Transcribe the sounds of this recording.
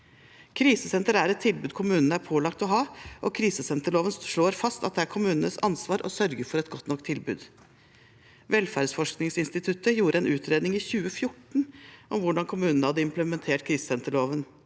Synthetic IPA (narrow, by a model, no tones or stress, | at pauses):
kʰɾiːsəsɛnt̪əɾæːɾɛt̪ʰːɪlbʉːd̪kʰʊmʉːnənəæɾpʰoːlɑkt̪ɔɦɑːʔɔkʰɾiːsəsɛnt̪əɭoːʋənʂɭoːɾfɑst̪ɑt̪̚d̪ɛæɾkʰʊmʉːnən̩əsɑ̰nsʋɑːɾʔɔ̰sœɾɡəfɔɾɛt̪ɡɔt̪nɔkt̪ʰːɪlbʉ̰ːd̪ | ʋɛlfæːɾɖsfɔʂknɪŋsɪnst̪ɪt̪ʰʉt̪əjuːɾʔəɛnʉːt̪ʰɾeːd̪nɪŋiːçʉːəfjʊʈɳ̩ʔɔmʋʊɖɑŋkʰʊmʉːnənəhɑd̪ːəɪmpləmɛnt̪ʰeːʈkʰɾiːsəsɛnt̪əɭoːʋən